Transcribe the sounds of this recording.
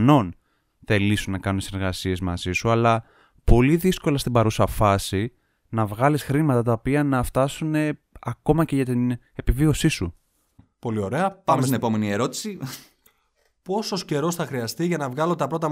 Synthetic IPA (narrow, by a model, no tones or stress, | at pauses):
no̞n | θe̞lisunnɐkɐnunt̪iseɾɣɐsie̞zmɐzisuɐlɐ | po̞liðisko̞lɐst̪imbɐɾusɐfɐsi | nɐvɣɐlisxɾimɐt̪ɐt̪̬ɐopiɐnɐft̪ɐsune̞ | ɐko̞mɐce̞ʝɐt̪in | e̞pivio̞sisṵ | po̞lio̞ɾe̞ɐpɐmesest̪inepo̞menie̞ɾo̞t̪i̥si | po̞sosce̞ɾo̞sθɐxɾiɐst̪iʝɐnɐvɣɐlot̪ɐpɾot̪ɐ